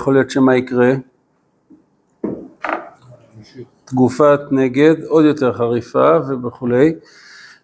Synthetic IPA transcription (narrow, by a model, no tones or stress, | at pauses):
χoljo̞t̪ʃemaikʁe̞ | t̪ɡufatne̞ɡe̞d̪o̞d̪jo̞te̞ʁχaʁifave̞beχule̞j